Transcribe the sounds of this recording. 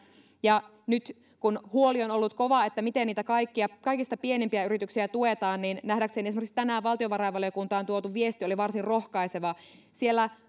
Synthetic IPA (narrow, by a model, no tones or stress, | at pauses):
jɑ | nyt̪ | kunhuolionolːut̪koʋɑet̪ːæmit̪enniːt̪ækɑikːiɑkɑikist̪ɑpienempiæyɾit̪yksiæt̪uet̪ɑːnninnæhdækseniesmøkst̪ænæːʋʋɑlt̪ioʋɑrɑjʋɑliokunt̪ɑːnt̪uot̪uʋiest̪ioliʋɑrsirrohkɑiseʋɑ | sielːæ